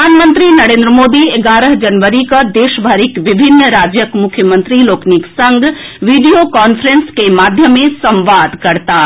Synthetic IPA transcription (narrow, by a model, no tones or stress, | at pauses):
aːnmənt̪ɾinəɾẽːnd̪ɾəmod̪ieɡaːɾəɦd͡ʒɐnʋəɾikʌd̪eʃbʱəɾikʋibʱinːɾaːd͡ʒjəkmukʰjəmənt̪ɾiloːkniksəŋɡʋiɖijokɔnpʰɾenskemad̪ʱjəmːesəmʋad̪kəɾt̪a